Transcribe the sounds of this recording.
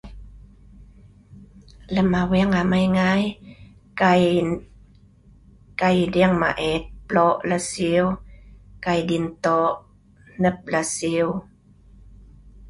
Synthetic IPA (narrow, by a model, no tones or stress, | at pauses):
lamawɛŋamajŋaj | kaj | kajdɛəŋma̰ʔɛt̪̚plɔʔlasiwkajdint̪ɔʔ | nəp̚lasiw